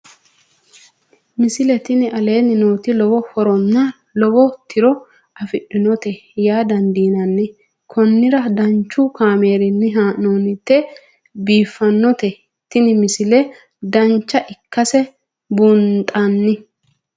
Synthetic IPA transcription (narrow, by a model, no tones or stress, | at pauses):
mɪsɪlɛt̪ɪnɪʔɐle̞ːnːɪnoːt̪ɪlɔwɔhɔɾɔnːɐ | lɔwɔt̪ʰɪɾɔ | ɐfɪɗːɪnɔt̪ɛjaːd̪ɐnd̪iːnɐnːɪ | kʰɔnːɪɾɐd̪ɐnt͡ʃːʊkaːme̞ːɾɪnːɪɦaːnoːnɪt̪ːɛ | biːfːɐnːɔt̪ɛ | t̪ɪnɪmɪsɪlɛ | d̪ɐnt͡ʃːɐʔɪkːɐsɛ | bunt̪ʼanːɪ